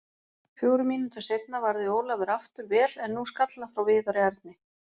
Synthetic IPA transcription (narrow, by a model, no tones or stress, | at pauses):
fjoːwɾʏmiːnʏt̪ʰasejt̪̚navaɾðɪoːwlavɪɾaft̪ʏɾvɛːlɛnːuskat̪lafɾawvɪːðaɾɪaɾt̪̚nɪ